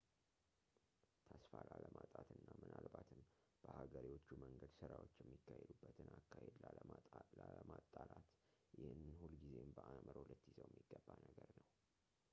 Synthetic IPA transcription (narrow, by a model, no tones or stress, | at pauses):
t̪ʰasfalaləmat̪ʼat̪ʰɨnːamɨnalbat̪ʰɨnb̥əhaɡəɾiwot͡ʃːuməŋɡəd̪sɨɾawo̞t͡ʃːjɛmːikːahed̪ubːət̪ʰɨnakːahed̪laəlaəmat̪ʼːalat̪jɪhɨnːɨnhulɡize̞mbəʔaməɾhulət̪ːjizəwjɛmːiɡ̥ːəbːanəɡəɾnəw